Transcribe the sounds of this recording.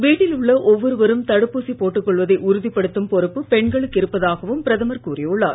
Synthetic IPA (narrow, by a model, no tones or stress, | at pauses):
ʋiːʈːɪlʊɭːɐʔɔʋːɔɾɯʋɐɾɯmt̪ɐɽɯpːusipoːʈːɯkːɔɭʋɐðɐɪʔʊɾʊðɪpːɐɽɯt̪ːɯmpɔɾɯpːɯpɛɳɡɐɭɯkːɪɾɯpːɐðaːɣɐʋɯmpɪɾɐðɐmɐɾkuːɾɪjɔɭːa̰ːɾ